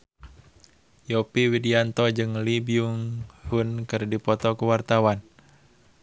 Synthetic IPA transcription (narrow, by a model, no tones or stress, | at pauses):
jɔpiwidiant̪ɔd͡ʒɨŋlibiuŋhunkɨrdipɔt̪ɔkuwart̪awan